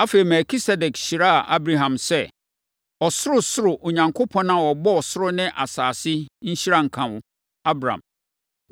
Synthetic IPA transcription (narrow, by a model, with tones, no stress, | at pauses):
a˦fe˨i˨mɛ˨kʰi˦sɛ˦dɛ˨kɕi˨ɾa˦a˨ʔa˦bɾa˦ɦã˨msɛ˦ | ɔ˨sʊ˦ɾʊ˨sʊ˦ɾʊ˨ʔo˨ɲã˨ŋkʰo˦pʰɔ̃˦nã˦˨wɔ˨bɔ˦ɔ˨sʊ˦ɾʊ˦nɪ̃˦ʔa˨saː˨sɪ˦ɲ̩˦ɕi˦ɾa˦ŋ̩˨kʰã˨wʊ̃˨ | a˦bɾã̰˨m